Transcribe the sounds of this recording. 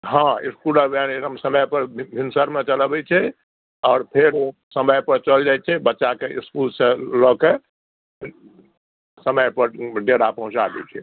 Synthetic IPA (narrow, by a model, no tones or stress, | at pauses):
ɦãiskuləbʱaneəmsəməjpəɾbʱinsəɾmet͡ʃəlbɛt͡ʃʰɛ | ɔːɾpʰeɾosəməjpəɾt͡ʃəld͡ʒaɛt͡ʃʰɛbətːʃakeiskulsẽlɔke | səməjpəɾɖeɽapəɦũt͡ʃad̪ɛ̰t͡ʃʰɛ